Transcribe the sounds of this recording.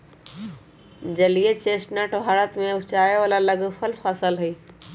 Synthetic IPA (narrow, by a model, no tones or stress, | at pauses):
d͡ʑɐlijet͡ɕeːsʈnəʈɦaːɾət̪mẽʊt͡ɕaːjoəlalɐɡfəlfaːsəlɦiː